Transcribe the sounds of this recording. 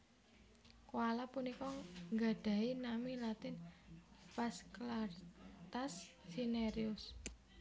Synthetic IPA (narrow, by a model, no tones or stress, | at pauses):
kwalapunikɔŋɡa̤ɖ̥a̤inamilat̪ɪn | pasklart̪assineɾiʊs